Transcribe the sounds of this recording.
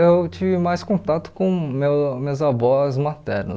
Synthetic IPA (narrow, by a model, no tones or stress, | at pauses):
ewt͡ʃivɪmajskõt̪at̪ʊ̥kõmewmezavɔzmat̪ɛɾnʊ̰